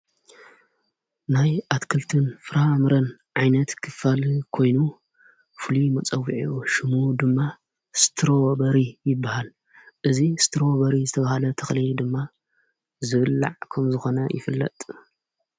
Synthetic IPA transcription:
najʔat̪kʰɨlt̪ʰɨnfɨɾamɨɾɐnʕajnɐt̪kʰɨfalkʰo̞jnu | fɨlimɐt͡sʼɐwːiʕiuʃɨmud̪ɨmːa | st̪ʰɨɾobɐɾijɪbːahal | ʔɨzist̪ʰɾoβɐɾizɨt̪ʰɐβahalɐt̪ʰɐxlid̪ɨmːa | zɨβɨlːa̰ʕkʰɐmzɨxo̞nɐjɪ̰fɨlːɐ̰t̪ʼ

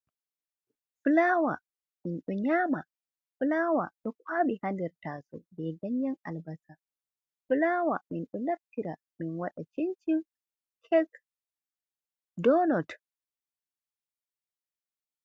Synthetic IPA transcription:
fulaːwa̰ | minɗɔɲaːma | fulawa̰ɗɔkʰaɓihandɛɾtaːsɔ̰bɛjɡaɲjanʔa̰lbasa | fulaːwaminɗɔnaftiɾa | minwaɗat͡ʃiɲt͡ʃim | kʰɛɡ | dɔnɔt

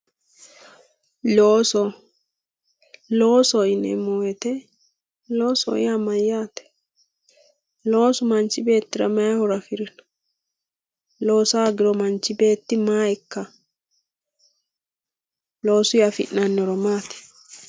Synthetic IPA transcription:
loːsɔ | lo̞ːsɔɪnɛ̰mojɛt̪ɛ | loːsɔ̰ɪamɐjːaːt̪ɛ̥ | loːsʊmɐnt͡ʃːɪbe̞ːt̪ːɪɾɐ̰mɐhɔɾɐfɪɾɪnɐ̥ | lo̞ːsaːɡɪɾɔmɐnt͡ʃːɪbe̞ːt̪ːɪmaːɪkːɐ | loːsʊjafɪ̰ʔːɐnːɔɾɔmaːt̪ɛ̥

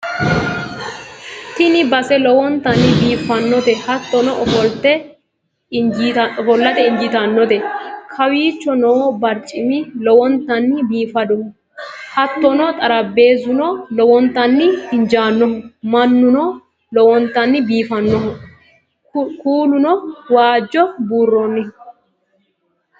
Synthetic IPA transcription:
t̪ɪnɪbɐsɛlɔwɔnt̪ːɐnːɪbiːfɐnːɔt̪ɛhɐt̪ːɔnɔʔɔfɔlt̪ɛ | d͡ʒɔfɔlːɐt̪ɛɪnd͡ʒɪt̪ɐnːɔt̪ɛkʰɐwiːt͡ʃːɔnoːbɐɾt͡ʃʼɪmɪlɔwɔnt̪ːɐnːɪbiːfɐd̪ɔhʊ | hɐt̪ːɔnɔt̪ʼɐɾɐbːe̞ːzʊnɔlɔwɔnt̪ːɐnːɪɪnd͡ʒaːnːɔɦʊmɐnːʊnɔ | lɔwɔnt̪ːɐnːɪbiːfɐnːɔɦʊ | kuːlʊnɔwaːd͡ʒːɔbuːrːonːɪ

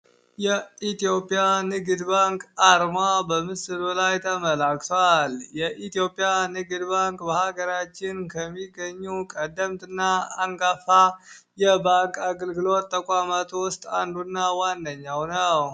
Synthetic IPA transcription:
jɛit̪jo̞pʼijanɨɡɨd̪baŋkʼaɾmabəmɨsɨlulajt̪ʰəməlakt̪ʰoaljɛʔit̪jopʼjanɨɡɨd̪baŋkʼbəhaɡəɾat͡ʃːɪnkʰəmːiɡəɲːukʼəd̪ːəmt̪ɨnːaːŋɡafa | jɛbaŋkʼaɡəlɡɨlot̪ʼːəkʼamat̪ʰwʊst̪ʼand̪unːawandəɲːawnəw

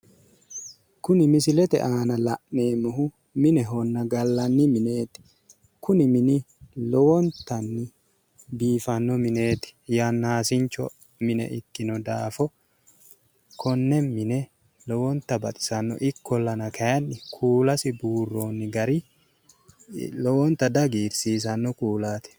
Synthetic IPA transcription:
kʊnɪmɪsɪlɛt̪ɛ̰ʔaːnɐlɐʔmeːmʊɦʊ | mɪnɛɦɔnːɐɡɐlːɐnːɪmɪne̞ːt̪ɪ̥ | kʊnɪmɪnɪ | lɔwɔnt̪ɐnːɪ | biːfɐnːɔmɪne̞ːt̪ɪ̥janːaːsɪnt͡ʃːɔ̰ | mɪnɛ̰ʔɪkːɪnɔd̪aːfɔ | kʰɔnːɛnmɪnɛ | lɔwɔnt̪ɐbɐ̰t̪ʼɪ̥sɐnːɔ̰ʔɪkːɔlːɐnɐkʰɐjɐnːɪkʰuːlɐsɪbuːrːo̞ːnːɪɡɐɾi | lɔwɔnt̪ɐd̪ɐɡiːɾsiːs̬ɐnːɔkuːlaːt̪ɛ̥

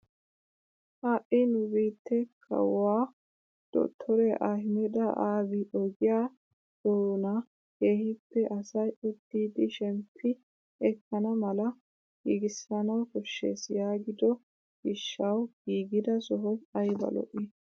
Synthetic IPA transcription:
haːʔɪnʊbiːt̪ːɛkʰɐ̰wːaː | d̪̥ɔ̰t̪ʰːɔɾɛʔa̰ːhɪmɛd̪ɐʔaːbɪʔɔɡɪjaː | d̪̥oːnɐ | keːhɪpːɛʔɐsɐjʔʊd̪ːiːd̪ɪʃɛmpʰːɪ | ɛkːɐnɐmɐlɐ | ɡ̥iːɡɪsːɐnɐwkɔʃːḛːsjaːɡɪd̪ɔ | ɡɪʃːɐwɡ̥iːɡɪd̪ɐsɔɦɔjɐjbɐ̰lɔ̰ʔɪ

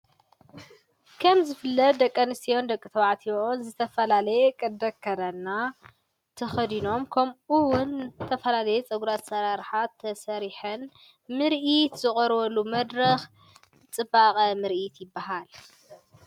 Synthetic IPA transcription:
kʰɐmzɨfɨlːɐt̪̚d̪ɐkʼːɐnɨst̪ʰijo̞nd̪ɐkʼːɨt̪ʰɐwaʕt̪ʰionzɨt̪ʰɐfɐlalɐjekʼɐd̪ɐkʰːɐd̪anːa | t̪ʰɐxɐd̪ino̞mkʰɐmʔɨwʊnt̪ʰːɐfɐlalɐjɛt͡sʼɐɡuɾat̪sɐɾaɾħat̪ʰːɐsɐɾiħɐn | mɨɾʔit̪z̥ɨχʼɔɾwɐlumɐd̪ɾɐx | t͡sʼɨbaqʼɐmɨɾʔit̪jɪbːaɦal

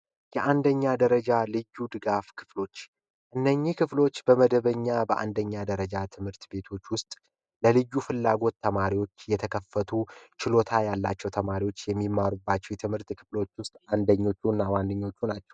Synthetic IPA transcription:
jɛʔand̪əɲːad̪əɾəd͡ʒalɨjːud̪ɨɡafkʰɨ̥flo̞t͡ʃː | ʔɨnːəɲːikʰɨflo̞t͡ʃːbəməd̪əβəɲːabəʔa̰nd̪əɲːad̪əɾəd͡ʒat̪ʰɨmhɨɾt̪be̞t̪ʰo̞t͡ʃːwʊst̪ʼ | ləlɨjːufɨlːaɡo̞t̪ːəmaɾiwo̞t͡ʃːjɛt̪ʰəkʰəfːət̪ʰut͡ʃɪlo̞t̪ʰajalːa̰t͡ʃːɛwt̪ʰəmaɾiwo̞t͡ʃːjɛmːimːaɾubːat͡ʃːɛwjɛt̪ʰɨmhɨɾt̪kʰɨflo̞t͡ʃːwʊst̪ʼand̪əɲːo̞t͡ʃːunːawand̪əɲːo̞t͡ʃːunat͡ʃːɛ̥w

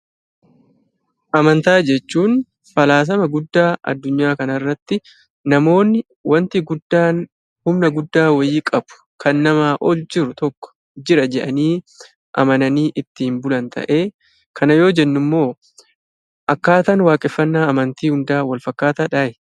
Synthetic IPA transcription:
ʔɐmɐnt̪aːd͡ʒɛt͡ʃːuːn | fɐlaːs̬ɐmɐɡʊd̪ːaːʔɐ̰d̪ːʊɲːaːkɐnɐrːɐt̪ːɪ | nɐmo̞ːnːɪ | wɐnt̪ɪɡʊd̪ːaːn | hʊmnɐɡʊd̪ːaːwɐjiːkʼɐbʊ̥kʰɐnːɐmaːʔɔld͡ʒɪɾʊt̪ɔkːɔ̥ | d͡ʒɪɾɐd͡ʒɛᶑɐniː | ʔɐ̰mɐnɐniːʔɪt̪ːɪhɪmbʊlɐnt̪ɐ̰ʔe̞ː | kʰɐnɐjo̞ːd͡ʒɛnːʊmːo̞ː | ʔɐkːaːt̪ɐnwaːkʼɪfːɐnːaːɐmɐnt̪iːhʊnd̪aːwɐlfɐkːaːt̪aːᶑaːjɛ

